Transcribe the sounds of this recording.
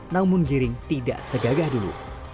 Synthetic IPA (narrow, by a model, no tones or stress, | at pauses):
nãmʊnɡiɾɪŋt̪ida̰ʔsəɡaɡahdulṵ